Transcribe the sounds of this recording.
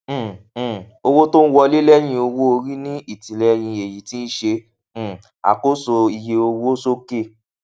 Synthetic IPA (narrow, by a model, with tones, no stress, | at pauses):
o˧wo˦to˦n̩˦wɔ˧le˦lɛ˦j̃ĩ˧o˧wo˦o˧ɾi˦nĩ˦i˦˨tĩ˨lɛ˧j̃ĩ˧e˨ji˨tĩ˦ʃẽ˧˨ | a̰˨ko˦so˧i˧je˧o˧wo˦so˦ke˦˨